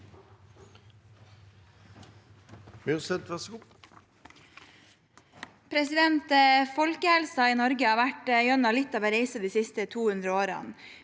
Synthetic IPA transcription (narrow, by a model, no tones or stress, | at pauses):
mʏʁsɛt̪ʋæʁs | pʰɾɛsɪd̪ɛnt̪əfɔlkəhɛlsɑiːnɔɾɡəɑːʋæʈəjœnɑlɪt̪ːɑʋɛɾeɪsəd̪iːsɪst̪ət̪ʰuːhʉnd̪ɾəoːɾɑ̰n